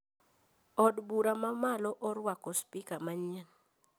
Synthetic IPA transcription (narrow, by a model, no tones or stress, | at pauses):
ɔdbuɾamamalɔʔɔɾwakɔspikamaɲɛn